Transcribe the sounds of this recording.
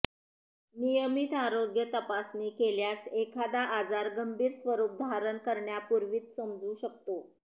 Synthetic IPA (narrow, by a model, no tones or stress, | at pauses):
nijəmit̪aɾoɡjət̪əpasnekeljasekʰad̪aʔad͡zaɾɡəmbʱiːɾsʋəɾuːp̚d̪ʱaɾənkəɾɳjapuɾʋiːt͡ssəmd͡zuːɕək̚t̪o